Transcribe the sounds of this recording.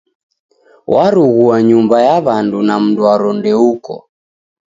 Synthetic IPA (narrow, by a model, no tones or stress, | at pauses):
wʔaɾuɣuaɲumbajaβandunam̩duaɾɔndɛukɔ̰